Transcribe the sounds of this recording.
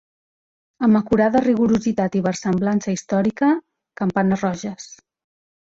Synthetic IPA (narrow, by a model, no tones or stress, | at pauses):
əməkuɾaðəriɣuɾuzit̪at̪iβəɾsəmblansəist̪ɔɾikə | kəmpanərɔʒəs